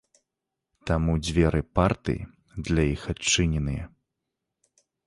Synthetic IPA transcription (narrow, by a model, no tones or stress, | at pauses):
t̪amud͡zʲvʲɛɾɨpart̪ɨ̰ | d̪lʲajixat͡ʂːɨnʲɛnɨjɛ̰